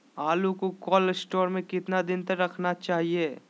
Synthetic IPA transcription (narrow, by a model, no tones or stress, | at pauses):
aːlukokɔːlsʈɔːɾmẽkɪt̪nad̪ɪnt̪ɐɾɐkʰnat͡ʃaːɦieː